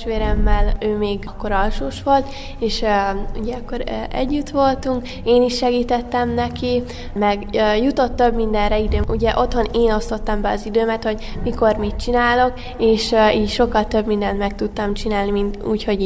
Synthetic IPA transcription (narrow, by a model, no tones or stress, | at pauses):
ʃʋeːɾɛmːɛløːmeːɡkːo̞ɾɒlʃoːʃʋo̞lt̪ | eːʃṵɟɛɒkːo̞ɾɛ̰ɟːyt̪ʋo̞lt̪uŋk | eːniʃːɛɡiːt̪ɛt̪ːɛmnɛki | mɛɡjut̪o̞t̪ːø̞bmind̪ɛnrɛid̪øːuɟɛʔo̞t̪ho̞neːno̞st̪o̞t̪ːɒmbɛɒzid̪øːmɛt̪ho̞ɟ | miko̞rmit̪̚t͡ʃinaːlo̞k | eːʃiːcʃo̞kːɒlt̪ø̞bmind̪ɛnt̪mɛkt̪ut̪ːɒmt͡ʃinaːlnimint̪uːcho̞ɟ